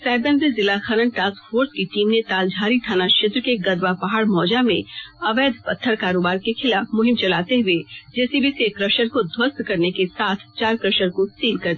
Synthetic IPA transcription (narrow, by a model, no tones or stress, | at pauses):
sɛːb̪ə̃nezɪlaxɐɾəɳʈaːskfʰoːɾskiʈiːmnet̪aːld͡ʒʱaːɾit̪ʰaːnaʃɪt̪ɾkeɡɐd̪ʋapɐɦaːɽmɔːd͡ʒamḛ̃ɐʋɛːd̪ʱpɐt̪ʰːəɾkaːɾoːbaːɾkexɪlaːfmʊɦɪmt͡ʃɐlaːt̪eɦʊed͡ʒɛːsibʱisekɾɐʃəɾkod̪ʱwəst̪kɐɾnekesaːt̪ʰt͡ʃaːɾkɾəʃəɾkosiːlkɐɾd̪i